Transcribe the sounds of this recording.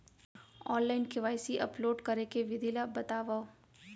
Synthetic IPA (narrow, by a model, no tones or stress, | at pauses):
ɔːnlaːɪnkɪʋaːɪsiʔɐ̰ploːɖkɐɾekeʋɪd̪ilabɐt̪aːʋao